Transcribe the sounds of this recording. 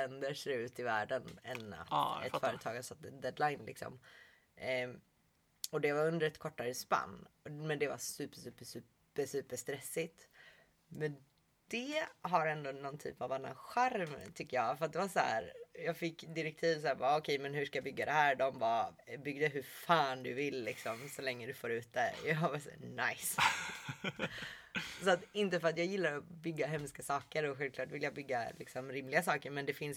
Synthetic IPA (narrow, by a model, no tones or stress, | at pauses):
ɛnd̪əɾʂɛɾʉ̟ːt̪ɪvæːɖənɛ̰na̰t̪ɛ̰t̪fœːɾət̪ʰɑːɡasat̪d̪ɛd̪lajnlɪ̰ksɔ̰m | ɔd̪ɛvaɾɵnd̪əɾɛt̪kʰɔʈːaɾəspa̰nːmɛnd̪ɛva̰sʉ̟ːpːəʂʉ̟ːpəʂʉ̟ːp | əʂʉ̟ːpəʂt̪ɾɛsːɪt̪ | mɛn | d̪̥ɛɦaɾɛnd̪onɔnt̪ʰy̰ːpavanːa̰nɧæɾmt̪ʰʏkːəjɑːfœɾat̪̚d̪ɛvasahæ̰ːɾjɑːɡfɪkːd̪ɪɾɛk̚t̪ʰiːvs̬æːvaɔkʰɛjmɛnɦʉʂkajabʏɡːad̪ɛhæːɾɖɔmvɑbʏɡd̪əɦɵɾfɑːnd̪ɵvɪlːɪksɔmsɔlɛŋːəd̪ɵfoːɾʉ̟ːt̪̚d̪ɛ̰jɑvɑsæ̰ːnajs | sɔat̪ɪnt̪əfœɾat̪jɑːjɪlːaɾɔbʏɡːaɦɛmskasɑːkəɾɔɧɛlvklɑːʈvɪljaːbʏɡːa̰lɪksɔmɾɪmlɪɡasɑːkəɾmɛnd̪ɛfɪns